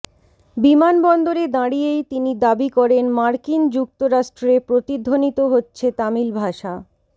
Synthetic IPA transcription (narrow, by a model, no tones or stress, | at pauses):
bimanbɔnd̪oɾed̪ãɽijejt̪inid̪abikɔɾenmaɾkind͡ʑuk̚t̪oɾaʃʈɾepɾot̪id̪ʱːonit̪oɦotːɕʰet̪amilbʱaʃa